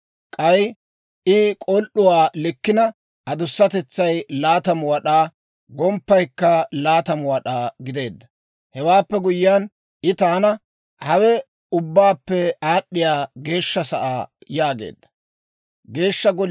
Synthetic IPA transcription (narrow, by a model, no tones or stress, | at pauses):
kʼɐj | ʔɪkʼɔlʔʊwaːlɪkːɪnɐ | ʔɐd̪ʊsːɐt̪ɛt͡sːɐjlaːt̪ɐmwɐɗaː | ɡɔmpːɐjkːɐlaːt̪ɐmwɐɗaːɡɪd̪e̞ːd̪ːɐ | hɛwaːpːɛɡʊjːan | ʔɪt̪aːnɐ | hɐwɛ | ʊbːaːpːɛaːɗːɪjaːɡe̞ːʃːɐsɐʔaːjaːɡḛːd̪ːɐ̥ | ɡe̞ːʃːɐɡɔ